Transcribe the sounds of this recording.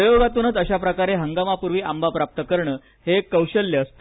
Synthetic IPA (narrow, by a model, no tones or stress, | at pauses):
əjoɡat̪uːnət͡s̪əɕapɾəkaɾeɦəŋɡamapuɾʋiːʔambʱapɾap̚t̪əkəɾɳə | hekəwɕəljeəst̪